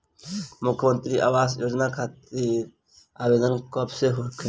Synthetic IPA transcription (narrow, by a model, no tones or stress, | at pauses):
mʊkʰjəmə̃nt̪ɾiʔa̰ːʋaːsjoːd͡ʒnakʰaːt̪iɾ | aːbeːd̪ənkɔːpseɦokʰe